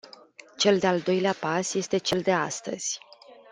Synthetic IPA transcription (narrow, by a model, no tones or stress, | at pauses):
t͡ʃe̞ld̪e̞ald̪o̞jleapasje̞st̪e̞t͡ʃe̞ld̪e̞ast̪ə̰z̥ʲ